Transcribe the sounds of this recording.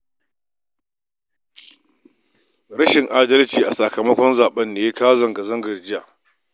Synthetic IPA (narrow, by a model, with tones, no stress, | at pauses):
ɽɐ˦ʃɪ˨ŋʔaː˦dɐ˦lt͡ʃiː˨ʔa˨sa˨kɐ˨mɐ˦kʷɔ˦nzaː˨ɓɐ˦nːeː˨je˦kaː˦zɐ˨ŋɡa˨zɐ˦ŋɡɐ˨rd͡ʒɪ˦jaː˨ʔ